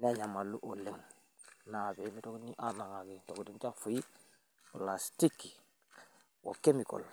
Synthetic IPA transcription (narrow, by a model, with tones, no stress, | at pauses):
ne˦ɲa˨ma˨lːu˦ʔo˨lːe˨ŋ | na˨be˨mi˦to˦kni˦ʔa˦na˨ŋa˨ɡe˨to˨kdi˦nt͡ʃa˦fu˨ji˦˨ | la˨sti˦kːi | wo̰˨ke˦mi˨ko̰˨l